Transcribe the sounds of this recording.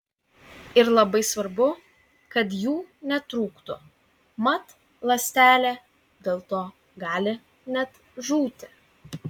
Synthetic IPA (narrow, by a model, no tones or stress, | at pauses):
ɪɾlˠɐbɐɪsʋɐɾbʊ | kɐt̪juːnʲɛt̪ɾuːkt̪ʊ | mɐt̪ | lˠɐsʲt̪ʲæːlʲe | d̪ʲeːlˠt̪oː | ɡɑːlʲɪ | nʲɛt̪ | ʒuːt̪ʲɪ